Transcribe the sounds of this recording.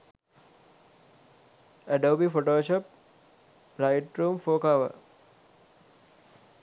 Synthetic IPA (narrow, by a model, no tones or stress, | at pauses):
əɖoːbifoʈoːʃop̚ | laɪʈɾuːmfoːkaʋə̰